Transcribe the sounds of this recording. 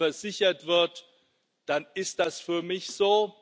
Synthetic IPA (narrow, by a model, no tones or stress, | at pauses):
ɛɐzɪçɐtv̥ɪɐt | d̥anɪst̚d̥asfyːɐmɪçz̥oː